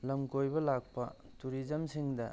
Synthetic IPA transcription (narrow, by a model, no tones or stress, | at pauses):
lɐmkojbɐlak̚pɐ̰ | tuɾizɐmsiŋdɐ